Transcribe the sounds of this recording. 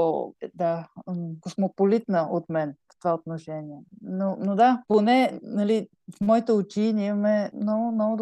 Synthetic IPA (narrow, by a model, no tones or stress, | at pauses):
d̪akosmopolit̪nəʔot̪mɛnft̪ovaot̪noʃɛniɛnonod̪aponɛnɐli | fmɔit̪ɛʊt͡ʃinʲɛimɐmɛmnɔɡʊmnɔɡʊd̪